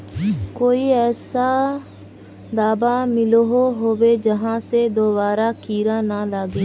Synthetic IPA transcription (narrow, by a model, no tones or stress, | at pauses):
koːiːɛːsaː | d̪aːbaːmɪloɦoːɦoːʋeːd͡ʒəɦãːseːd̪oːbaːɾaːkiːɾãːnaːlaːɡeː